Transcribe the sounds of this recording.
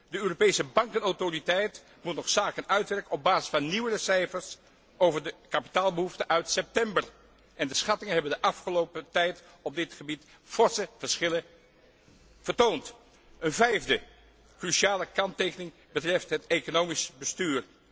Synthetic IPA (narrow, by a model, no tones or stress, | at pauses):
dəøːropejsəbɑŋkənawtoritɛjt | mutnɔχsaːkənœɥtʋɛɹkəɔb̚baːzɪ̥sfɑnːiwərəsɛjfəɹs | owvəɹdəkapi̥taːlˠbəɦuftəʔœɥtsɛp̚tɛmbər | ʔɛndəsχɑtɪŋənɦɛbəndəʔɑfχəlowpətɛjt | ɔb̚dɪtχəbit | fɔɹsəv̥əɹsχɪlə | v̥əɹtownt | ənvɛjvdə | kryʃiaːləkɑntejkənɪŋ | bətrɛftɦətekonowmisbəstyːr